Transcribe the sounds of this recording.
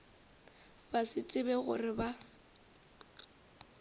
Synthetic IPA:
basɪt͡sʼɪbɛɣʊ̰rɪba

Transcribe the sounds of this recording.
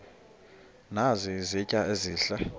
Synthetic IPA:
nazizicʼaeziːɬa

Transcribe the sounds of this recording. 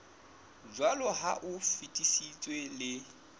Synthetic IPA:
d͡ʒwalɔɦaʔʊfitʼisit͡sʼwelɪ

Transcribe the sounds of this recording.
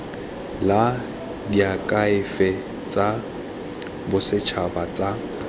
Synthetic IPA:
la | diakʼaɪfɛ | t͡sʼa | bʊsɪt͡ʃʰabat͡sʼa

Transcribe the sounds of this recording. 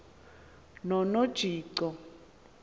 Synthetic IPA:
nɔnod̥ʒ̥ʱiːǀɔ

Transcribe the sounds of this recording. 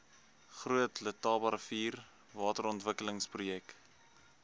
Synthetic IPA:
χruətlətɑːbɐɾfiːr | vɑːtəɾɔntvəkələŋsprujɛk

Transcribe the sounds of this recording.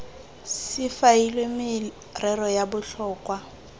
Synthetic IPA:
sɪfailwemɪ | rʔɛrɔjabʊɬɔːkʼwa

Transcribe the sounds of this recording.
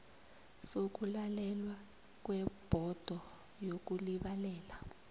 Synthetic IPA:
sok̬ʼulalɛlwa | k̬wɛb̥ʱɔd̥ʱɔ | jok̬uliɓalɛːla

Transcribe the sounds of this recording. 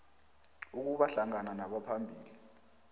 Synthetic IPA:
uk̬uɓaɬaŋananaɓapʰambʱiːli

